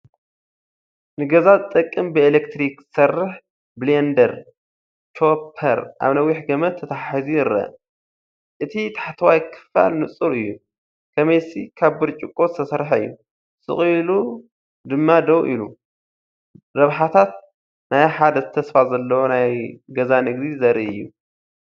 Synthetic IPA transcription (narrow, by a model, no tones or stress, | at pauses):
nɨɡɐzazɨt̪ʼːɐkʼːɨmbɨelekt̪ɾiksɐrːɨħ | blend̪ɐɾ | t͡ʃʰo̞pʰɐɾʔa̰βnɐwiħɡɐmɐt̪ʰːɐt̪ʰaħizijɪɾɐ̰ | ʔɨt̪ʰit̪ʰḁħt̪ʰɐwajkʰɨ̥fa̰lnɨt͡sʼuɾɨjːu | kʰɐmɐjsikʰaβbɨɾt͡ʃʼɨkʼːot̪ʰɐsɐɾħɐɨjːu | sʼɨ̰χʼlu | d̪ɨmːad̪ɐwʔḭlu | ɾɐβħat̪ʰat̪ | najħad̪ɐzɨt̪ʰɐsfazɐlːɐwonajɡɐzanɨɡd̪izɐɾiɨ̰jːu